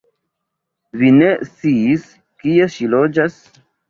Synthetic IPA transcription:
vine̞st͡siːs | kie̞ʃilo̞d͡ʒas

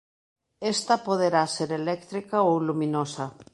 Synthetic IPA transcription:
est̪apoðeɾaseɾelɛkt̪ɾikaowlumĩnosa

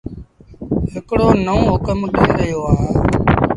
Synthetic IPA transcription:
ɦɪkɽoːnəũːɦʊkəmɗəiːɾəɦjoːaːɦẽː

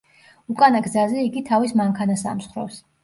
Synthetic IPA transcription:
ukʼanaɡzazɛiɡit̪ʰavismaŋkʰanasa̰msχɾɔ̰ps

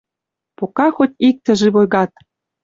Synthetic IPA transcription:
pokɑxot̪ʲik̚t̪ɘ̆ʒĕβojɣɑt̪̚

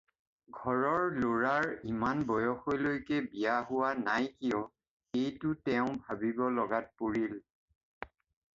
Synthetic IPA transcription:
ɡʱɔɹɔɹloɹaɹimanbɔjɔxojlojkɛbijaɦʊwanajkijɔ | ejtʊtɛʊ̃bʱabibɔlɔɡat̚puɹil

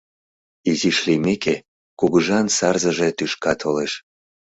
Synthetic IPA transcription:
iziʃlimeke | kuɣuʒɑnsɑrzəʒet̪yʃkɑt̪ʰoleʃ

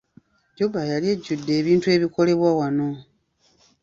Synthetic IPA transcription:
ɟobajalieɟːudːe̞ːβiːntue̞ːβiko̞le̞βwawano̞

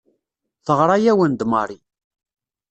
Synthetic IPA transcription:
θəʁɾˤɑjæwənd̪mɑɾˤi

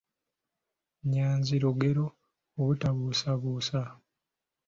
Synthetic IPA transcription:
ɲaːnziɾoɡe̞ɾoː | βutaβuːsaβuːsa

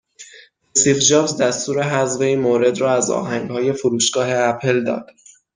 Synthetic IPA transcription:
esifd͡ʒɒːfzd̪æst̪uːɾe̞ɦæzve̞iːnmoːɾe̞d̪ɾɒːæzɒ̰ːɦæŋɡhɒːje̞foɾuːʃɡ̥ɒːɦe̞æpʰe̞ld̪ɒ̰ːd̪̥

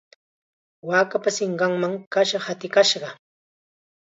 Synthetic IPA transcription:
waːkapasɪɴɢɑŋmaŋkaʃɑχhat̪ɪkaʃɢɑ

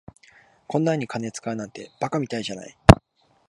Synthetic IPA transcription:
kʰõ̞nːaɲ̟ːikane̞t͡sɨ̥kaɯ̟nãnt̪e̞b̥akamʲit̪aiʑana̰i

